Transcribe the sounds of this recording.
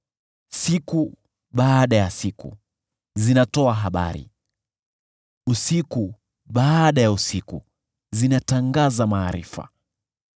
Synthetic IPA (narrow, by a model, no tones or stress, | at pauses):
siku | ɓaːɗajasikṵ | zinatɔaɦaɓa̰ɾḭ | usiku | ɓaɗajausiku | zinataŋɡazamaːɾḭfa̰